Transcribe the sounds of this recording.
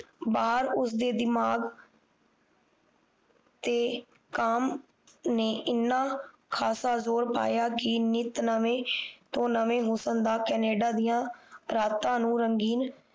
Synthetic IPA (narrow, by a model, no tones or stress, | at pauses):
baːɾʊsd̪eːd̪ɪmaːɡ | t̪eː | kəm | neːʔɪnːãː | kʰaːsaːzoːɾpa̰ːjaːkɪnɪt̪nəʋẽːt̪õːnəʋẽːɦoːsənd̪aːkɛːneːɖaːd̪ijãːɾaːt̪ãːnũːɾəŋɡiːn